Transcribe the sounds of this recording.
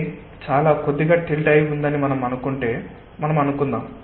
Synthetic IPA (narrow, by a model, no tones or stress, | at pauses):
t͡ʃaːlaːkod̪ːiɡaːʈilʈɐjiund̪ɐnimɐnɐmɐnukuɳʈe̞ː | mɐnɐmɐnukund̪aːm